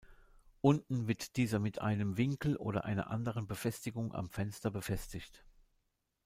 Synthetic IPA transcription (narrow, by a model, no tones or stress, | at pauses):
ʔʊntn̩vɪɐtd̥iːzɐmɪtʔa̰ɪnəmvɪŋkl̩ʔo̰ːdɐ̰ʔa̰ɪnɐ̰ʔa̰ndəʁ̞ənbəfɛstɪɡʊŋʔa̰mfɛnstɐbəfɛstɪçt